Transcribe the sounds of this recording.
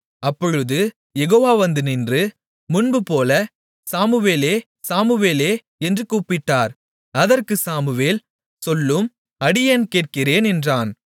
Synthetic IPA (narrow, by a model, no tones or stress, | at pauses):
ɐpːɔɻɯðɯ | jɛɣoːʋaːʋɐnd̪ɯnɪndrɯ | mʊɳbɯpoːlɐ | saːmɯʋeːleː | saːmɯʋeːleː | ɛndrɯkuːpɪʈːaːɾ | ɐðɐɾkɯsaːmɯʋeːl | sɔlːɯm | ɐɽɪjeːnkeːʈ̚kɪreːnɛndraːn